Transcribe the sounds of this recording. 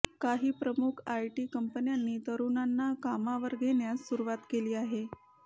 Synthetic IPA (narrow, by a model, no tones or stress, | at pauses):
kaɦiːpɾəmukʰajʈiːkəmpənjanːiːt̪əɾunanːakamaʋəɾɡenjassuɾuʋat̪keliːaɦe